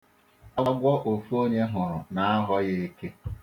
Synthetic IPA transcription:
a˦ɡʷɔ˦ʔo˨fu˦o˦ɲe˦ɦʊ˨ɾʊ̰˨na˨a˦ɦɔ˦je˨e˦ke˦

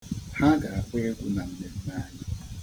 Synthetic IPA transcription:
ha˦ɡa˨a˨pʷe˦e˦ɡʷʊ˦na˨m̩˦me˨d̩˦na˦˨˦ɲɪ˦

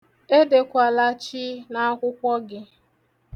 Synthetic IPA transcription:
e˦de˨kʷa˨la˦t͡ʃi˦na˦a˦kʷʊ˦kʷɔ˦ɡɪ˦

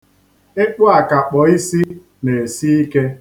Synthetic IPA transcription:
e˦k͡pʊ˦a˨ka˨k͡pɔ˨i˦si˦ | ne˨si˦i˦ke˦

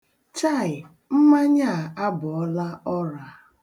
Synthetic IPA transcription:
t͡ʃa˦˨ɪ˨ | m̩˦ma˦ɲa˦˨a˦bʊ˨ɔ˦la˦ɔ˦ɾa˨

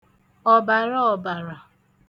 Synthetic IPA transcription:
ɔ˨ba˨ɾɔ˦ɔ˨ba˨ɾa˨

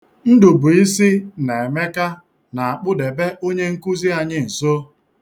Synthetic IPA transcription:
n̩˦dʊ˨bʊ˨i˦si˦ne˨e˨me˦ka˦ | na˨a˨k͡pʊ˦de˨be˦ʔo˦ɲe˦ŋ̩˦ku˦zi˦a˨ɲɪ˦n̩˨so˦

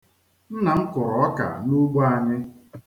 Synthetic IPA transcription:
n̩˦na˨ŋ̩˦kʊ˨ɾɔ˨ɔ˦ka̰˨nu˦ɡ͡bo˦a˨ɲɪ˦

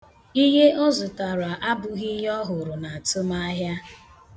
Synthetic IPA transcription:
i˦ɦe˦ʔɔ˦zʊ˨ta˨ɾʊ˨a˨ʔa˦bʊ˨ɣi˦ɦɔ˦ɦʊ˨ɾʊ˨na˨a˨tʊ˦ma˦ɦja˦

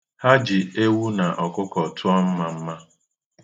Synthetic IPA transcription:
ha˦d͡ʒi˨e˦wu˦na˨ʔɔ˨kʊ˦kɔ˨tʰʊ˦ɔ˦m̩˦ma˨m̩˦ma˦

